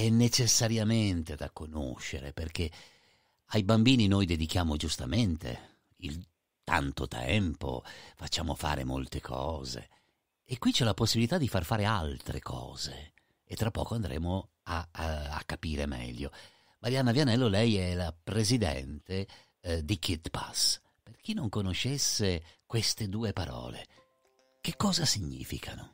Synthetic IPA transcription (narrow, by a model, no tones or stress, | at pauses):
ɛnːet͡ʃesːaɾjament̪ed̪akːono̰ʃːḛɾḛperk̟e | ajbambiːninojd̪ed̪ik̟jaːmod͡ʒust̪ament̪ḛ | il | t̪ʰa̰nt̪o̰t̪ʰɛ̰mpo̰fat͡ʃːaːmo̰fa̰ːɾʔḛmo̰lt̪ekʰɔːzḛː | kwit͡ʃɛlaposːibilit̪ad̪ifarfaːɾealt̪ɾḛkʰɔ̰ːz̥e | et̪ːɾapːɔ̰ːkoand̪ɾʔɛ̰ːmo | aa̰kːapiːɾemɛ̰ʎːo | maɾjanːavjanɛlːolɛjɛlapɾezid̪ɛ̰nt̪e | d̪ikit̪pas | perk̟inːoŋkonoʃːesːekwest̪ed̪uːepaɾɔ̰ːlḛ | k̟ekːɔːzasiɲːḭːfḭkʰano